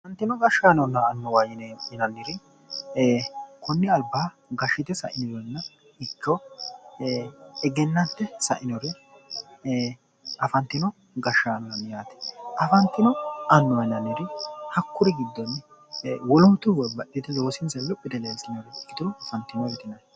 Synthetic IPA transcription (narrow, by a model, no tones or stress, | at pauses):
ɐfɐnt̪ːɪnɔɡɐʃːaːnɔnːɐːnːɔwajɪnnɐnːɪɾɪ | kʊnːɪɐlbaː | ɡɐʃːɪt̪ɛsɐ̰ʔɪnɪzɔɾɛnːɐ | ɪkːɔ | ɛɡɛnːɐnt̪ːɛsɐ̰ʔɪnɔɾɛ | ɐfɐnt̪ːɪnɔ | ɡɐʃːaːnɔnɐnjaːt̪ɪ̥ʔɐfɐnt̪ːɪnɔɐnːɔwɐnɐnːɪɾɪhɐkːʊɾɪɡɪd̪ːɔnː | wɔlɔnt̪ːʊwbɐɗːɪt̪ɛloːsɪnsɐlɔpʼːɪd̪ɛleːsɪnɔɾɛɡɪt̪ɪɾɔɐfɐnt̪ːɪnɔɾɛt̪ɪnɐj